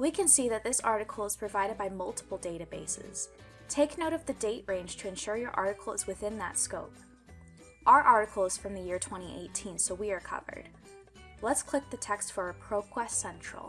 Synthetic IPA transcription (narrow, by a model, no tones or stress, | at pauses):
wikʰɨ̃nsiðɨt̪̚ðɪsɑ̰ɹɾɨkʰl̩ˠəz̥pʰɹ̥ɨvaɪɾɨd̚baɪmʌlˠtʰə̥pl̩ˠdeɪɾɨbeɪsɪ̰z̥ | tʰeɪknoʊɾʌvðɨdeɪʔɹẽɪ̃nʒ̥tʰɨɨ̃nʃʊɹjə˞ʔɑ̰ɹɾɨkʰl̩ˠzwɨθɪ̃nðɨ̰tskoʊp̚ | ʔə˞ʔɑɹɾɨkʰl̩ˠəz̥fɹʌ̃mðɨjɪɹtʰw̥ɛ̃ɾ̃iʔḛɪtʰĩnsoʊwiə˞kʰʌ̰və̰˞d̥ | lətskʰl̥ɪk̚ðɨtʰɛkstfə˞ɨpʰɹ̥oʊkʰw̥ɛstsɛ̃nt͡ʃɹ̥̰lˠ